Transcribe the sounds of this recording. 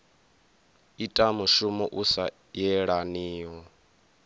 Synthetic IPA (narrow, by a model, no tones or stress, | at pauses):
itʼamuʃumɔʔusa | jɛɺaniːɔ